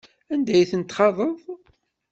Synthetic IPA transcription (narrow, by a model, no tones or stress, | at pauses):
ænd̪æjθənt̪ːχɑðˤəðˤ